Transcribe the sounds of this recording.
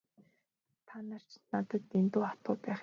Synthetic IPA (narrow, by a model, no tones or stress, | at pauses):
t̪ʰanar̥t͡ɕnat̪ə̆t̪ːent̪uːat̪ʊːpæːχ